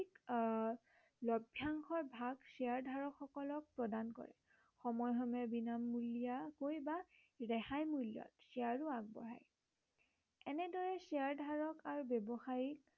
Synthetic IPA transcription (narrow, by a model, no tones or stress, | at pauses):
ik | lɔbʱjaŋxɔɹbʱaɡsiaɹdʱaɹɔkʰxɔkɔlɔk̚pɹɔdankɔ̰ɹɛ̰ | xɔmɔjɦɔmɛbinamːulijakojba | ɹɛhajmulijɔ̰tsiaɹuaɡ̚bɔ̰ɦa̰j | ɛnɛdɔɹɛsiaɹdʱaɹɔkaɹubɛbɔxaɹil